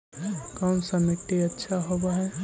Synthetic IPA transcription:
kɐmsɐmɪʈːiɐtːʃʰaɦobaɦɛː

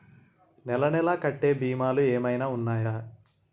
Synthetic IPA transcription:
nɛlɐnɛlaːkɐʈːe̞ːbiːmaːlueːmɐjnaːunːaːjaː

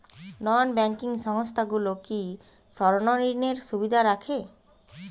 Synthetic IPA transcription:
nɔnbɛŋkiŋʃɔŋɔst̪ʰaɡuloki | sɔɾononineɾsubid̪ʱaɾakʰe

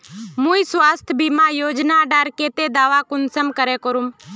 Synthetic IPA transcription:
mũːisʋaːst̪ʰəbimãjoːd͡ʒnaɖaːɾkeːt̪ed̪aːʋakʊnsəmkəɾekəɾum

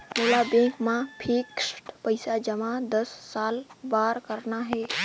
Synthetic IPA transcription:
moːlabẽŋkmãpʰiksʈpəɪsad͡ʒəmãd̪əsːaːlbaːɾkəɾnaɦɛː

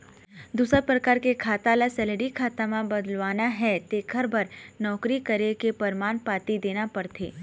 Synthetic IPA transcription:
d̪uːsəɾpɾəkaːɾkekʰaːt̪alasɛleɖikʰaːt̪amãbɐd̪əlʋaːnaɦɛt̪eːkʰəɾbʱɐɾnɔːkɾikɐɾekepəɾmaːnpaːt̪id̪eːnapɐɾt̪ʰeː

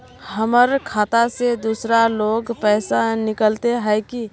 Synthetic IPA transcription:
həməɾkʰaːt̪ased̪uːsɾaloːɡpɛɪsanɪkəlt̪eɦɛɪki

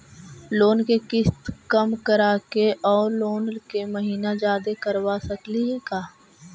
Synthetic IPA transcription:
loːnkekɪst̪kəmkəɾaːkeʔɔːɾloːnlkeməɦiːnad͡ʒaːd̪ekəɾwasəkliɦekaː

